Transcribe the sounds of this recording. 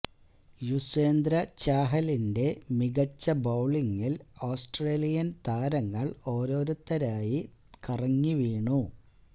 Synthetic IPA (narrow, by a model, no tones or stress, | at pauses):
juseːnd̪ɾɐt͡ɕaːɦɐlinde̞miɣɐt͡ɕːɐbɐwɭiŋːiloːsʈreːlijɐnt̪aːɾɐŋːɐɭo̞ːɾo̞ːɾut̪ːɐɾaːjikɐrɐŋːiʋiːɳu